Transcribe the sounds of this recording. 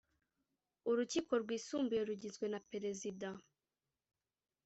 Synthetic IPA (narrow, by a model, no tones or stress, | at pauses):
uɾuciːko̞ɾɡwiːsuːmbujeɾuɟizɡwe̞napeɾe̞zida